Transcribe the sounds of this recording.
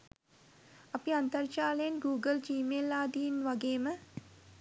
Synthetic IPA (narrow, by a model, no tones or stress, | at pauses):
ɐpiant̪ɐrt͡ʃaːləjenɡuːɡəlt͡ʃiːmelːaːd̪iːnʋaɡeːmə